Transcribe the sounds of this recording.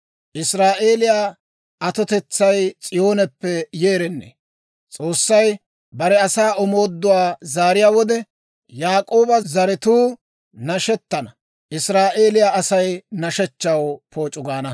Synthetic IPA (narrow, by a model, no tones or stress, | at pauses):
ʔɪsɾaːʔe̞ːlɪjaː | ɐt̪ɔt̪ɛt͡sːɐjt͡sʼɪjo̞ːnɛpːɛjeːɾɛnːḛ | t͡sʼo̞ːsːɐj | bɐɾɛɐsaːɔmo̞ːd̪ːʊwaːzaːɾɪjaːwɔd̪ɛ | jaːkʼo̞ːbɐzɐɾɪt̪uː | nɐʃɛt̪ːɐnɐ | ʔɪsɾaːʔe̞ːlɪjaːɐsɐjnɐʃɛt͡ʃːɐwpʰo̞ːt͡ʃʼːʊɡaːnɐ